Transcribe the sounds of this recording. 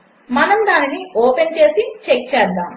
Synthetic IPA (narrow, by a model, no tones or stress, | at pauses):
mɐnɐmd̪aːniniɔːpent͡ʃe̞ːsit͡ʃek̚t͡ʃɛːd̪ːaːm